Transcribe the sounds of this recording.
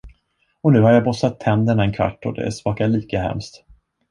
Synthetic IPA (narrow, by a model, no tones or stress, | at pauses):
ɔnʉ̟ːhaɾjaːbɔsːat̪ʰːɛnd̪əɳaɛnkʰva̰ʈːɔ̰d̪ɛ̰æ̰ʂvɑːkaɭiːkahɛ̰mst̪